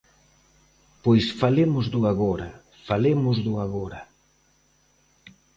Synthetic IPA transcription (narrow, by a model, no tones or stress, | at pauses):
pojsfalemʊzd̪ʊaɣɔɾa | falemʊzðʊaɣɔɾa